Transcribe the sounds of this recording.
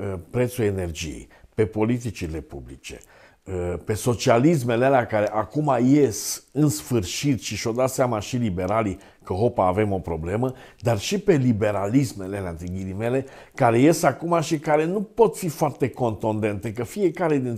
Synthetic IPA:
əpɾe̞t̪sue̞ne̞rd͡ʒijḛjpe̞po̞lit̪̬it͡ʃile̞pṵblḭt͡ʃe̞̥̰ | əpe̞so̞t͡ʃialis̬me̞lealeakaɾe̞ʔakumajesɨnsfɨrʃit̪ʃiʃo̞d̪at̪seamaʃilibe̞ɾali | kəɦo̞paːve̞mo̞pɾo̞ble̞məd̪arʃipe̞libe̞ɾalismelelant̪ɾiɡiɾime̞le̞kaɾe̞je̞sakumaʃikaɾe̞nupo̞t̪fifoart̪e̞ko̞nt̪und̪e̞nt̪ek̬əfije̞kaɾe̞d̪in

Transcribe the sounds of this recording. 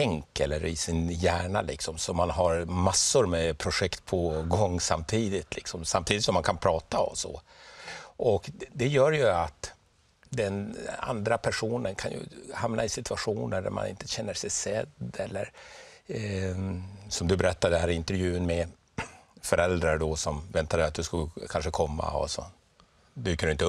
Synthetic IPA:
ɛŋkɛlːəɾɪsɪnjæːɳalɪksɔmsɔmːanɦaɾmasːʊɾmɛpʰɾʊɧɛkt̪pʰɔɡɔŋːsamt̪ʰiːd̪ɪt̪ʰlɪksɔmsamt̪iːd̪ɪt̪sɔmːankʰanpʰɾɑːt̪aɔmsɔ̰ | ʔɔkd̪ɛjœːɾjɵat̪ | d̪ɛna̰nd̪ɾapʰæʂuːnənkʰanjɵ̰hamnaɪsɪt̪ʰɵaɧuːnəɖæ̰ɾma̰nɪ̰nt̪ʰə̥ɕɛnːəʂɛjsɛd̪ːɛlːəɾ | sɔmd̪ɵbɛɾɛt̪ːad̪ɛhæːɾɪnt̪əɾjʉ̟ːənmɛ | fœɾʔɛld̪ɾaɾɖɔsɔmvɛnt̪ad̪ɛjat̪̚d̪ɵskɵkʰanʂəkʰɔmːa̰ɔ̰sɔ̰ | b̪ʉːkadɵɪnt̪ə

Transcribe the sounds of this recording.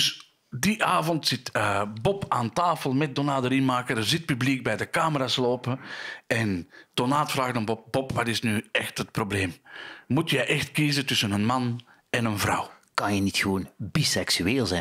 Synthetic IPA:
s | diʔaːvɔntsɪtəbɔpaːntaːfəlˠmɛt̚donaːdəɾɪnmaːkədərzɪt̚pybliɡ̚bɛjdəkaːməɾaːsloːpəɛnd̥onaːtfraːɣdɔnbɔp̚bɔpʰʋɑtɪsnyɛxtɦət̚probleːmmutjɛʔɛxtkiːzətʏsənənmɑn | ɛnənvrɑ̰wkɑnjənitxəʋoːnbisɛksyeːlˠzɛn

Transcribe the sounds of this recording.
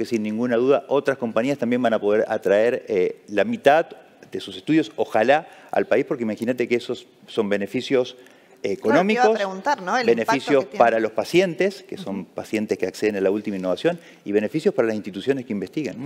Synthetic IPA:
kesinːĩŋɡunaðuðaʔo̞t̪ɾasko̞mpaɲiast̪ambje̞mbanapo̞ðe̞ɾa̰t̪ɾae̞ɾelamit̪að | d̪e̞susest̪uðjo̞soxalaa̰lpaispo̞ɾkeimaxinat̪e̞keesosː | o̞mbe̞ne̞fisjo̞s | eko̞nomikosɾeɣunt̪aɾnobenefisjosspaɾalo̞spasje̞nt̪e̞ske̞so̞mpasje̞nt̪eskeakse̞ðenalault̪imainːo̞βasjo̞n | iβ̞e̞ne̞fisjo̞spaɾalas̬inst̪it̪usjo̞ne̞skeimbe̞st̪iɣen

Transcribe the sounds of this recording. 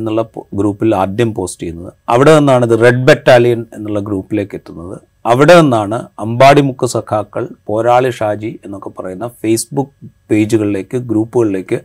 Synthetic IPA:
enːuɭːɐɡɾuːpːilaːd̪jɐmpo̞ːstijunːɐðɨɐʋiɽe̞enːaːɳɐðɨre̞ɖ̚betːaːlijɐne̞nːuɭːɐɡɾuːpːile̞ːkːe̞t̪ːunːɐðɨ | ɐʋiɽe̞onːaːɳɨɐmbaːɽimukːɐsɐkʰaːkːɐɭpo̞ːɾaːɭiʂaːd͡ʑie̞nːo̞kːepɐrɐjunːɐfejsbukːpe̞ːd͡ʑuɣɐɭile̞ːkːɨɡɾuːpːuɣɐɭile̞ːkːɨ

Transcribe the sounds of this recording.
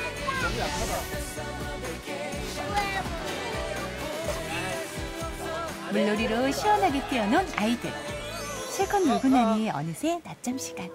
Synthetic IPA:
muɭːoɾiɾoɕʰiwʌnɦaɡet͈iʌnonaidɯ̰ɾ | t͡ɕʰeɡʌnːuɭɡunːaɲieʌ̰nɯsʰe̞nat͡ɕ͈ʌmɕʰi̥ɡan

